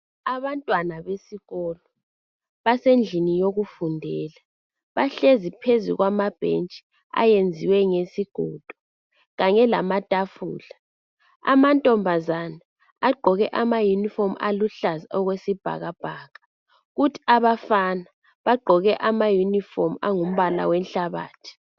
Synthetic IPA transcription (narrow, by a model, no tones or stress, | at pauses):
aβantʼwanaβesiɣɔlɔ | βasend͡ɮʱinijoɣufundʱɛːla | βaɬezipʰezṵɣwamab̥ʱḛnt͡ʃʼi̥ | a̰jend͡zʱiwɛŋesiɡ̥ʱɔːd̥ʱɔ̥ | ɣaɲɛlamatʼafuːla | a̰mantʼɔmbʱazana | aɡ͡ǃʱɔɣɛʔamajunifɔmʔaluɬazaɔɣwesib̥ʱa̰ɣab̥ʱaːɣḁ | ɣutʰi̥aβafana | βaɡ͡ǃʱɔɣɛʔamajunifɔma̰ŋum̩βala̰wɛnɬaβa̰ːtʰi̥